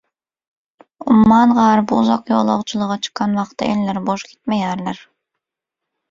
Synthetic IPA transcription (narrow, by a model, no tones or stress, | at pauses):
umːɑnʁɑːɾbuuzɑqjo̰lˠɑ̰ʁt͡ʃʰulˠɯʁɑt͡ʃʰɨ̥qːɑnwɑqt̪ːɑ̰ʔelːeɾboʃkʲʰi̥t̪̚mejɑɾleɾ